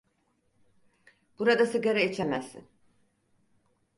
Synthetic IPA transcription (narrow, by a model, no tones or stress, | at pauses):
b̥uɾad̪asɯɡeɾɛit͡ʃʰemɛzːḭn